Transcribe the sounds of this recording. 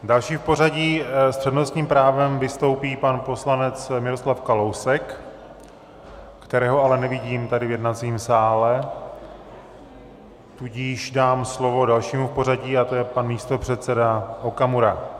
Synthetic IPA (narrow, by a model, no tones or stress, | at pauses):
dalʃiːfpo̞r̝aɟiːspr̥ɛdno̞st̪ɲiːmpɾaːvɛmvɪst̪o̞wpiːpanpo̞slanɛt͡smɪɾo̞slafkalo̞wsɛk | kt̪ɛɾɛːɦoalɛnɛvɪɟiːmt̪adɪvjɛdnat͡siːmsaːlɛ | t̪uɟɪʒdaːmslo̞vo̞dalʃiːmufpo̞ɾ̝aɟiːat̪ojɛpanmiːst̪o̞pr̝̥ɛt̪t͡sɛdaʔokamuɾa